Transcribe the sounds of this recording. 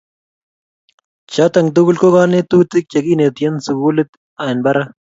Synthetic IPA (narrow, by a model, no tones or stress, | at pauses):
t͡ɕʰat̪ɐŋɡd̪uɡulkoɡaːnet̪uːt̪ik̚t͡ɕɐɡiːneːt̪ijɐnsuɡuːlit̪ | aːnbɐɾɐ